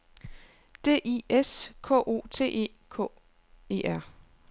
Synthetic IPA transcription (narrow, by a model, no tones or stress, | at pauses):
d̥e̝̰ːʔieskʰɔ̰ːʔo̝̰ːt͡sʰe̝̰ːʔe̝̰ː | kʰɔ̰̽ː | e̝ːʔæɐ̰